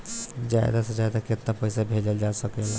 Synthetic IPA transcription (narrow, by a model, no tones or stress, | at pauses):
d͡ʒajd̪ased͡ʒajd̪aket̪napəjsabʱed͡ʒeld͡ʒasəkela